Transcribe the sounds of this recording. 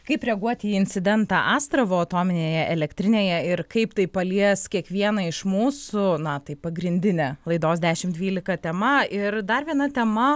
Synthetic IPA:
kɐɪpɾʲɛɡuɔt̪ʲiːɪnʲt͡ssʲɪd̪ʲɛnt̪ɑːʔɑːst̪ɾɐʋoɐt̪oːmʲɪnʲeːjɛʔɛlʲɛkt̪ʲɾʲɪnʲeːjɛɪɾkɐɪpt̪ɐɪpɐlʲiɛskʲiɛkʋʲiɛnɐɪʃmuːsʊnɐt̪ɐɪpɐɡɾʲɪnʲd̪ʲɪnʲɛlˠɐɪd̪oːsd̪ʲæːʃʲɪmd̪ʲʋʲiːlʲɪkɐt̪ʲɛmɐɪɾd̪ɐrʋʲiɛnɐt̪ʲɛmɐ

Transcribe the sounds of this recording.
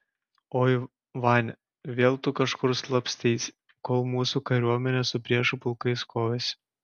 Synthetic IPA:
oː | ʋɑnʲ | ʋʲeːlˠt̪ʊkɐʃkʊɾslˠɐpsʲt̪ʲɛɪsʲ | koːlˠmuːsuːkɐɾʲuɔmʲɛnʲesʊpʲɾʲiɛʃʊpʊlˠkɐɪskoːʋʲesʲ

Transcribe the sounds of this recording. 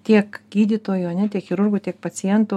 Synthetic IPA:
t̪ʲiɛkɡʲiːd̪ʲit̪oːjʊɐnʲɛt̪ʲiɛkxʲɪɾʊrɡʊt̪ʲiɛk̚pɐt͡ssʲɪjɛnt̪ʊ

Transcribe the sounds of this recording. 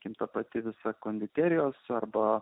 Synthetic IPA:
kʲɪmt̪ɐpɐt̪ʲɪʋʲɪsɐkoːnʲd̪ʲɪt̪ʲæːɾʲɪjoːsɐrbɐ

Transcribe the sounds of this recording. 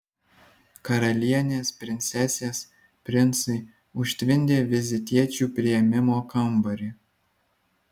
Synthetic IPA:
kɐɾɐlʲiɛnʲeːspʲɾʲɪnʲt̪sʲɛsʲeːs | pʲɾʲɪnˑsɐɪ | ʊʃʲt̪ʲʋʲɪnʲd̪ʲeːʋʲɪzʲɪt̪ʲiɛt͡ʃʲuːpʲɾʲɪjɛmʲɪmoːkɐmbɐɾʲɪ

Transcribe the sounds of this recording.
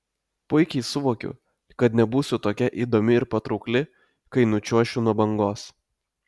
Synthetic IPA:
pʊɪkʲɛɪsʊʋoːkʲʊ̰ | kɐt̪nʲɛbuːsʲʊt̪oːkʲɛʔiːd̪oːmʲɪɪɾpɐt̪ɾɒʊklʲɪ | kɐɪnʊt͡ʃʲuɔʃʲʊnuɔbɐŋɡoːs

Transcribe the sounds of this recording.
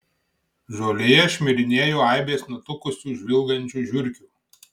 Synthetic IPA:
ʒoːlʲeːjɛʃʲmʲɪɾʲɪnʲeːjoːaˑɪbʲeːsnʊt̪ʊkʊsʲuːʒʲʋʲɪlˠɡɐnʲt͡ʃʲuːʒʲʋʲʊɾʲkʲuːˑ

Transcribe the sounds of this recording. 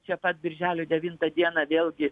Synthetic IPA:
t͡ʃʲɛpɐt̪̚bʲɪɾʲʒʲæːlʲʊːd̪ʲɛʋʲiːnt̪ɐd̪ʲiɛnɐʋʲeːlʲˠɡʲɪ

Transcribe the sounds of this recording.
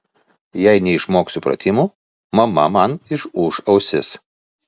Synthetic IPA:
jæɪnʲɛɪʃmoːksʊpɾɐ̰t̪ʲɪmuː | mɐmɐ̰mɐnɪʃuːʃɐʊsʲɪs

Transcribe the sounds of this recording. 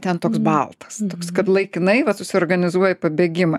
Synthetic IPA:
t̪ʲɛnt̪oːksbɐlˠt̪ɐ̥st̪oːkskɐt̪lˠɐɪkʲɪnɐɪʋɐsʊsʲɪorɡɐnʲɪzuɔjɛpɐbʲeːɡʲɪmɐ

